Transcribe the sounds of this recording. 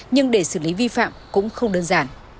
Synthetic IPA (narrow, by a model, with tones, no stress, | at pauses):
ɲɨ˧ŋɗe˧˩sɨ˧˩li˨˦vi˧fa̰ː˧˨mkʊ̰˧˥ŋ͡mxə˧wŋ͡mɗəː˧nzaː˧˩n